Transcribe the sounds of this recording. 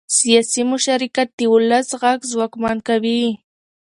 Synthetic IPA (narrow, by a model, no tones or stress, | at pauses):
sjasɪmʊʃaɾɪkat̪ɪwʊlasɢɑks̬wakmaŋkabiː